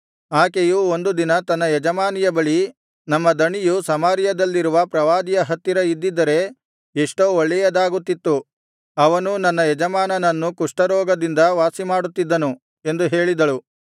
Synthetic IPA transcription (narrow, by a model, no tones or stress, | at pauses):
aːkejuo̞nd̪ud̪inɐt̪ɐnːɐjɛd͡ʒɐmaːnijɐbɐɭi | nɐmːɐd̪ɐɳijusɐmaːɾjɐd̪ɐlːiɾuʋɐpɾɐʋaːd̪ijɐɦɐt̪ːiɾɐid̪ːid̪ːɐɾe̞ | eʂʈoːoɭːɛjɐd̪aːɡut̪ːit̪ːu | ɐʋɐnunɐnːɐjɛd͡ʒɐmaːnɐnɐnːukuʂʈɐɾɔːɡɐd̪ind̪ɐʋaːsimaːɽut̪ːid̪ːɐnu | e̞nd̪uɦe̞ːɭid̪ɐɭu